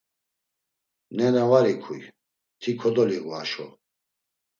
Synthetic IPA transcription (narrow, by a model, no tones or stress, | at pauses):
nɛɾɛvaɾikʰuj | t̪ʰikʰɔd̪ɔliɣuaʃɔ̰